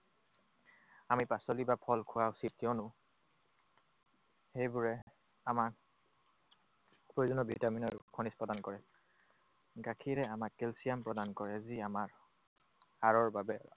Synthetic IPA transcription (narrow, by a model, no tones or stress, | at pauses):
amipasolibapʰɔlkʰʊwaʊsit̚tiɔnʊ | xejbʊɹɛ | amak | pɹojzɔnɔbʱitaminɔɹkʰonispɹɔdankɔɹɛ | ɡakʰiɹɛamakːelsijampɹɔdankɔɹɛziamaɹ | aɹɔɹbabɛ